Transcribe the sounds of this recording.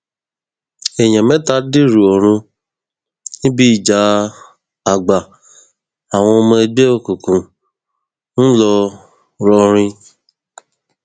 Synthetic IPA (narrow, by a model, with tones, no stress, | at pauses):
e˨jã˨mɛ̃˦ta˦di˦˨ɾu˨ɔ˨ɾ̃ũ˧ | nĩ˦bi˦i˨d͡ʒa˨˦ | a˨ɡ͡ba˨ | a˨w̃ɔ̃˧o˧mã˧˦d͡ʒe˦o˦˨ku˨kũ˨ | n̩˦lɔ˧ | ɾɔ˧ɾ̃ĩ˧